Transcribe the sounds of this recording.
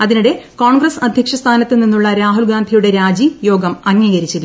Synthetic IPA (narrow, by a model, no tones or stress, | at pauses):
ɐðinuɽe̞ko̞ːɳɡrɐsɐd̪ʱjɐkʂɐst̪ʰaːnɐt̪ːɨninːuɭːɐɾaːɦulɡaːnd̪ʱijuɽe̞ɾaːd͡ʑijo̞ːɡɐmɐŋːiːɣɐɾit͡ɕːilːɐ